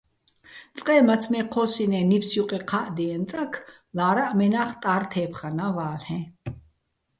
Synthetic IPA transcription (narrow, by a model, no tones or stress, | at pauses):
t͡sʼqʼɛːmat͡sʰmɛqʰɔːsinɛnipsjuqʼɛqʰaʔd̪iɛnt͡sʼakʰ | laːɾaʔmɛnaːχt̪ʼaːrt̪ʰɛːpʰχanavaːlhɛ̃